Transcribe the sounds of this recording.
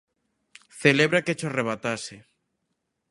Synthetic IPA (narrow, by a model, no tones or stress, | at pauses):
θeleβɾaket͡ʃoareβ̞at̪ase